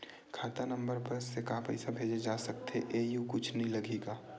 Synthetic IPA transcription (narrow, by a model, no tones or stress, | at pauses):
kʰaːt̪anɐ̃mbəɾpɐɾsekaːpɛ̰ɪsabʱeːd͡ʒed͡ʒaːsɐk̚t̪ḛʔeːjukʊt͡ʃʰnɐɦĩlɐɡʱeːɡaː